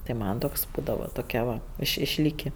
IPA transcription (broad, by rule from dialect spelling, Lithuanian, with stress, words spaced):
tɐɪ ˈmɐn toːks ˈbuːdɐʋɐ toːˈkʲɛ ʋɐ ɪʃ ɪʃʲˈlʲiːkʲɪ